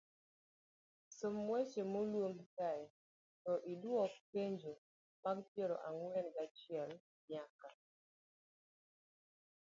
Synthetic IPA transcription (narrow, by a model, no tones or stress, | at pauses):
somːwɛt͡ʃemolwomkaɛ | tɔʔidwɔkeɲd͡ʒo | maɡpjeɾɔ̰ʔaŋwɛnɡat͡ʃiɛl | mjaka